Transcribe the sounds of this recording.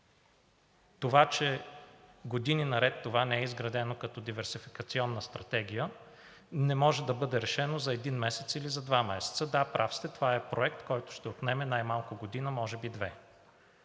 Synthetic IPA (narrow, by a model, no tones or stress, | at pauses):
t̪ovat͡ʃɛ | ɡod̪ininɐɾɛt̪ːovanɛɛizɡɾɐd̪ɛnokɐt̪ɔd̪ivɛɾsifi̥kɐt̪siɔnːəst̪ɾɐt̪ɛɡʲijə | nɛmɔʒɛd̪ɐbɤd̪ɛɾɛʃɛnozɐɛd̪inmɛsɛt̪silizɐd̪vamɛsɛ̥t̪səd̪apɾʔafst̪ɛt̪ovaɛpɾoɛkt̪kɔjt̪ʊ̥ʃt̪ɛot̪nɛmɛnajmalˠkʊɡod̪inəmɔʒɛbid̪vɛ